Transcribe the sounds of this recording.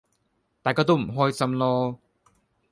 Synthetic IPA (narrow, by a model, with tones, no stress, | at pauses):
t̪aː˨˩jkɔː˧t̪o˥wm̩˨˩ɦɔː˥jsɐ˧mlɔː˧